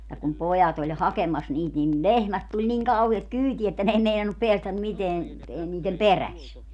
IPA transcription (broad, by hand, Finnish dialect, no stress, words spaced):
jɑ kum pojɑt olʲ hɑkemɑs niːt nin lehmæt tulʲ niŋ kɑuhiet kyːtiæ etːæ n ei meinɑnːup peæstæm miteæn e niːtem peræs